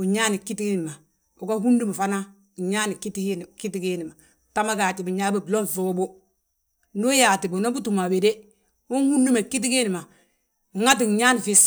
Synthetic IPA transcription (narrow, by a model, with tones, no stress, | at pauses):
u˨ɲaː˦ni˨kːi˦ti˦ɡi˦n˨ma˨ | u˨ka˦hu˦ndi˦ma˨fa˦na˦˨ | ɲa˦ni˨ki˦ti˦hi˦n˨ki˦ti˦ɡe˦ni˨ma˨ | ta˦ma˦ɡa˨t͡ʃi˨bi˨ɲa˦bi˦blo˦nfoː˦bu˦ | nu˦jaː˨ti˨bu˨na˦bu˦tu˨ma˨we˨de˦ | u˦nhu˦ndi˦ma˨ki˦t̬i˦ke˦ni˨ma˨ | ŋa˦t̬i˨ŋ˨ɲa˦n˨fi˦s